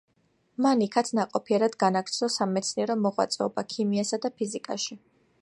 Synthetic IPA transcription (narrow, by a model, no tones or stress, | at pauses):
manikʰat̪sʰnaqʼɔpʰiɛɾad̪ɡanakɾt̪sʰlɔsamɛt̪sʰniɛɾɔmɔʁwa̰t̪sʼɛ̰ɔbakʰimiasad̪apʰizikʼa̰ʃi